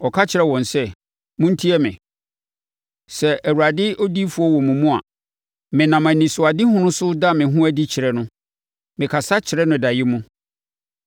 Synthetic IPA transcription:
ɔ˨kʰa˦t͡ɕʰɪ˨ɾɛ˦wɔ̃˨nsɛ˦ | mũ˦n̩˦tʰi˦ɛ˦mɪ̰̃˨ | sɛ˨æ˨wu˨ɾa˨dɪ˦ʔo˦di˦fu˨˦ɔ˦wɔ̃˨mũ˨mũ˦a̰˨ | mɪ̃˨nã˨mã˨nĩ˨sʊ˨a˨di˦hʊ̃˦nʊ̃˦sʊ˦da˦mɪ̃˨ɦʊ̃˦æ˦di˦t͡ɕʰɪ˨ɾɛ˨nʊ̃˦ | mɪ̃˨kʰa˨sa˦t͡ɕʰɪ˨ɾɛ˦nʊ̃˨da˨jɪ˦mũ˦

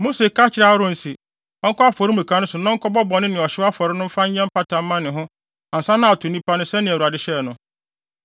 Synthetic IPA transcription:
mo˦se˨kʰa˦t͡ɕʰɪ˦ɾa˦ɾʊ̃˦n̩˨si˨ | ɔ˦ŋ̩˦kʰɔ˦a˦fɔ˨ɾɪ˦mũ˨kʰã˦nʊ̃˦sʊ˨nɔ̃˦ŋ̩˦kʰɔ˦bɔ˦bɔ̃˨nɪ̃˦nɪ̃˨ɔ˨ɕɪ˦wa˦fɔ˨ɾɪ˦nʊ̃˦m̩˦fa˦ɲ˦ɲɛ̃˦m̩˦pʰa˦tʰã˨m̩˦mã˦nɪ̃˨ɦʊ̃˦ | ã˨n̩˨sã˦nã˦a˨tʰʊ˨nĩ˦pʰa˦nʊ̃˦sɛ˦nɪ̃˨u˨a˨dɪ˦ɕɛ˦˨nʊ̃˨

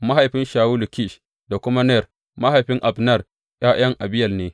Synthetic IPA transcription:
ma˦ɦa˨jɸɪ˦nʃaː˨wu˦lu˨ki˦˨ʃ | da˨kʷʊ˦ma˦nɛ˦˨r | ma˦ɦa˨jɸɪ˦ŋʔa˨bnɐ˦˨r | j̰aː˦j̰ɐ˦ŋʔa˨bɪ˦jɐ˨lneː˦

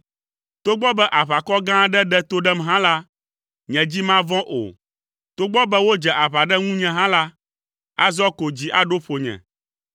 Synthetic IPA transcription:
t̪o˦ɡ͡bɔ˦bɛ˦ʔa˨βa˨kɔ˦ɡã˦ɖɛ˦ɖɛ˦t̪o˦ɖɛ˦mɦã˦la˦ | ɲɛ̃˨d͡ʑi˦mã˦vɔ̃˦ʔo̰˨ | t̪o˦ɡ͡bɔ˦bɛ˦wo˦d͡ʒɛ˨ʔa˨βa˨ɖɛ˦ŋũ˦ɲɛ̃˨ɦã˦la˦ | a̰˦zɔ˦ko˨d͡ʑi˦ʔa˨ɖo˦ɸo˨ɲɛ̰̃˨

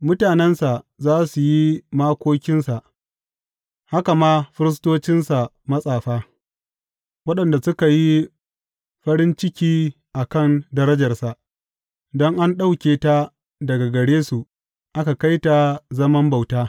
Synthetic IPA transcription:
mʊ˦taː˨nɛ˦nsa˨zaː˦su˨ji˦maː˦kʷoː˦kʲɪ˦nsa˨ʔ | ha˦ka˨maː˦ɸɪ˦ɾɪ˦s̬toː˦t͡ʃɪ˦nsa˨ | mɐ˦sʼaː˨ɸaː˦ | wɐ˦ɗɐ˨nda˨sʊ˦ka˨ji˦ | ɸɐ˦ɾɪ˦nt͡ʃɪ˦kʲiː˦ | ʔa˨kɐ˦˨ndɐ˦ɾɐ˦d͡ʒɐ˨rsa˨ʔ | dɔ˦ŋʔa˦nɗa˦wkʲeː˨ta˦ | dɐ˨ɡa˨ɡɐ˨ɽeː˦su˨ʔ | ʔa˦ka˨ka˦jta˨zɐ˦mɐ˦mba˨wtaː˦

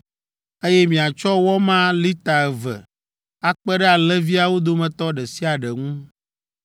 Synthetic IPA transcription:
e˦jɛ˦mĩ˨a˨t͡ʃɔ˦wɔ˦mã˦li˦t̪a˨ɛ˨vɛ̰˨ | a˦k͡pɛ˦ɖɛ˦a˨lɛ˦vi˦a˨wo˦d̪o˦mɛ̃˨t̪ɔ˦ɖɛ˨si˦a˨ɖɛ˨ŋũ˦

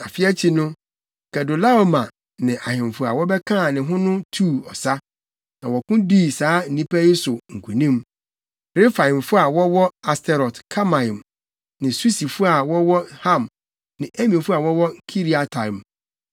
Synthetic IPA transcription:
a̰˨fɪ˦ɛ˦t͡ɕʰi˨nʊ̃˦ | kɛ˨dʊ˨la˦o˨mã˨ | nɪ̃˨ʔa˨hɪ̃˨mfʊ˨a̰˨wɔ˦bɛ˦kʰã˦˨nɪ̃˨ɦʊ̃˦nʊ̃˦tʰu˦˨ɔ˨sa˦ | nã˨wɔ˨kʊ̃˦diː˦˨saː˨˦n̩˨nĩ˦pʰæ˦jɪ˦sʊ˨ŋ̩˨kʰu˨nĩ˦m | ɾɪ˦fa˨ɪ̃˨mfʊ˦a˨wɔ˦wɔ˦a˨stʰɛ˨ɾɔ˨tkʰa˦mã˨ĩ˨m | nɪ̃˨su˦si˨fʊ˦a˨wɔ˦wɔ˦hã˦˨m | nɪ̃˨ʔɛ˦mĩ˨fʊ˦a˨wɔ˦wɔ˦kʰi˦ɾi˦˨a˨tʰa˨m˨

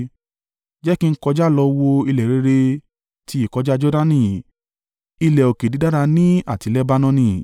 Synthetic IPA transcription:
d͡ʒɛ˦ki˦n̩˦kɔ˧d͡ʒa˦˨lɔ˧wo˧i˧lɛ˨ɾe˨˧˦ɾe˧ | ti˧i˦˨kɔ˨˧˦d͡ʒa˦d͡ʒɔ˦da˦nĩ˧˨ | i˧lɛ˨o˨ke˨di˨˦da˦ɾa˧nĩ˦a˦˨ti˨˧˦lɛ˦ba˦nɔ̃˦nĩ˧˨

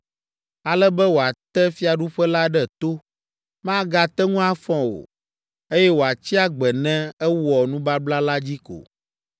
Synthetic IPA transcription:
a˨lɛ˦bɛ˦wo˨a˨t̪ɛ˦fi˦a˨ɖu˦ɸɛ˦la˦ɖɛ˦t̪o˦ | mã˦ɡa˨t̪ɛ˦ŋũ˦a˦fɔ̃˦wo̰˨ | e˦jɛ˦wo˨a˨t͡ɕi˦a˦ɡ͡bɛ˨nɛ̃˦ɛ˦wɔ˨nũ˦ba˦bla˦la˦d͡ʑi˦ko̰˨

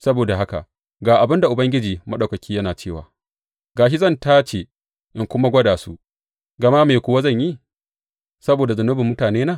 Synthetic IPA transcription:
sɐ˦boː˨da˨ɦa˦ka̰˨ʔ | ɡaː˨ʔa˨bɪ˦nda˨ʔʊ˨bɐ˦ŋɡʲɪ˦d͡ʒiː˨mɐ˦ɗaɐ˨kɐ˨kʲiː˦jɐ˦naː˨t͡ʃeː˦˨wa̰ː˨ | ɡaː˨ʃ̬i˦zɐ˦˨ntaː˦t͡ʃe˨ | ʔɪ˨ŋkʷʊ˦ma˦ɡʷɐ˦daː˨su˦ | ɡɐ˨ma˦meː˨kʷʊ˦wa˦zɐ˦˨ɲji˦ | sɐ˦boː˨da˨zʊ˨nːʊ˦bɪ˨mːʊ˦taː˨neː˦naː˦˨

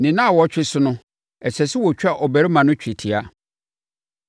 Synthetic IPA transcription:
nɪ̃˨nã˦a˨wɔ˦t͡ɕᶣɪ˦sʊ˦nʊ̃˦ | ɛ˨sɛ˨sɪ˦wɔ˨t͡ɕᶣa˦˨ʔɔ˨bæ˨ɾi˦mã˨nʊ̃˦t͡ɕᶣi˨tʰi˨a˦

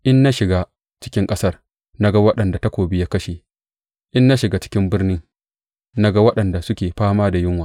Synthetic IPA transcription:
ʔɪ˦nːa˦ʃɪ˨ɡa˦ | t͡ʃɪ̥˦kʲɪ˦ŋkʼɐ˦sɐ˦r | na˦ɡa˦wɐ˦ɗɐ˨nda˨ta˦kʷoː˨bɪ˦jaː˦kɐ˦ʃe˨ | ʔɪ˦nːa˦ʃɪ˨ɡa˨t͡ʃɪ̥˦kʲɪ˦mbɪ˦rnɪ˦ŋ | na˦ɡa˦wɐ˦ɗɐ˨nda˨sʊ˦kʲeː˨ɸaː˦maː˦da˨jɪ˦ŋwa˨

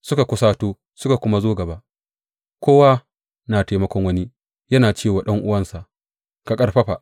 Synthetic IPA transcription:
sʊ˦ka˨kʷʊ˦saː˦toː˦ | sʊ˦ka˨kʷʊ˦ma˦zoː˦ɡɐ˨baː˦ | kʷoː˦wa˦ | naː˨teː˨mɐ˦kʷɔ˦ŋwɐ˦ni˦ | jɐ˦naː˨t͡ʃeː˦˨waː˨ɗɐ˦ŋʔʊ˦wɐ˦nsa˨ʔ | ka˨kʼɐ˦rɸɐ˦ɸa̰˨ʔ

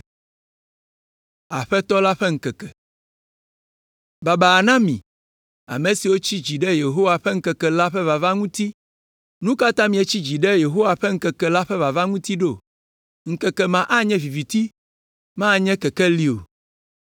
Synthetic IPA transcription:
a˨ɸɛ˦t̪ɔ˦la˦ɸɛ˦ŋ̩˨kɛ˨kɛ˨ | ba˨ba˨nã˦mḭ̃˨ | a̰˨mẽ˨si˨wo˦t͡ɕi˦d͡ʑi˨ɖɛ˦je˨ɦo˦wa˨ɸɛ˦ŋ̩˦kɛ˨kɛ˨la˦ɸɛ˦va˨va˦ŋũ˦t̪i˦ | nũ˦ka˦t̪ã˦mĩ˨e˦t͡ɕi˦d͡ʑi˨ɖɛ˦je˨ɦo˦wa˨ɸɛ˦ŋ̩˦kɛ˨kɛ˨la˦ɸɛ˦va˨va˦ŋũ˦t̪i˦ɖo˦˨ | ŋ̩˨kɛ˨kɛ˨mã˨ʔa˦ɲɛ̃˦vi˨vi˨t̪i˦ | mã˦˨ɲɛ̃˦kɛ˨kɛ˦li˦o̰˨

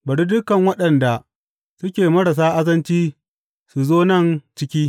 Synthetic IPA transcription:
bɐ˨ɽi˦dʊ˦kɐ˨ŋwɐ˦ɗɐ˨nda˨ | sʊ˦kʲeː˨mɐ˦ɽɐ˨s̬aː˦ʔa˦zɐ˦nt͡ʃiː˦ | su˨zoː˦nɐ˦˨nt͡ʃɪ˦kʲiː˦

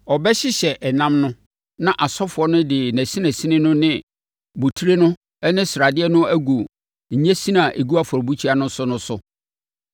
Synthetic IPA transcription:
ɔ˨bɛ˦ɕɪ˦ɕɛ˨ʔɛ˨nã˦mnʊ̃˦ | nã˦ʔa˨sɔ˦fʊ˨ɔ˦nʊ̃˦dɪ˨næ̃˨si˦næ̃˨si˦nɪ̃˦nʊ̃˦nɪ̃˦ | bu˨tʰu˦ɾe˦nʊ̃˦ | ɛ˦nɪ̃˦sɾa˨dɪ˦ɛ˦nʊ̃˦æ˦ɡu˨ | ɲ̩˨ɲɛ̃˦si˦nã˨ʔe˨ɡu˦a˦fɔ˨ɾbu˦t͡ɕʰi˦a˨nʊ̃˦sʊ˦nʊ̃˦sʊ˨

